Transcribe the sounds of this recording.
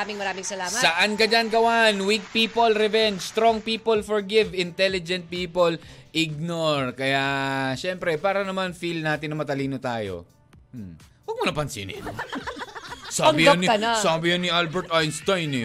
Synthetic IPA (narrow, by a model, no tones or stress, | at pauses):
amɪŋmɐɾaːmɪŋsɐlaːmsɐʔankɐd͡ʒanɡɐwanwik̚piːpolɾɛvɛnd͡ʒst̪ɾoŋpiːpolfɔɹɡɪvɪnt̪ɛlɪd͡ʒɛ̃nt̪̚piːpolʔɪɡ̚noɹkɐjaʃɛmpɾɛpaːɾɐnɐmanfilnaːt̪ɪnːɐmɐt̪ɐliːnot̪aːjo̰ | m̩ | wɐɡ̚mɐnɐpɐnsḭnɪ̰no̰ | sabɪjanɐnsaːbɪjɐnɪʔalbɛɹt̪ʔajnst̪ajnɐ